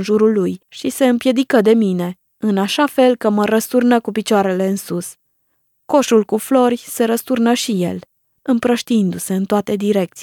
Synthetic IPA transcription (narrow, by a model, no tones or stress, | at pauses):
nʒuɾulːujʃise̞ɨmpje̞d̪ikəd̪e̞mine̞ | ɨnaʃafe̞lkəməɾəst̪urnəkupit͡ʃoaɾe̞le̞ɨnsus | ko̞ʃulkuflo̞rʲse̞ɾəst̪urnəʃije̞̰l | ɨmpɾəʃt̪iind̪use̞ɨnt̪oat̪e̞d̪iɾe̞k̚t̪si